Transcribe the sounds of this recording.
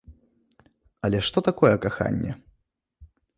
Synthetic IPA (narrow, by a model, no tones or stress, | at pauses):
ɐlʲɛʂt̪ɔt̪akɔjɛkaxa̰nʲːɛ̰